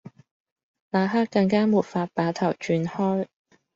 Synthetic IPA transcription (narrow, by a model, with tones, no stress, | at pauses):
laː˨˧ɦaː˥kkːɐ˧ŋkaː˥muː˨˩t̚faː˧t̚paː˨˥t̪ʰɐ˨˩wt͡ʃyː˧nhɔː˥j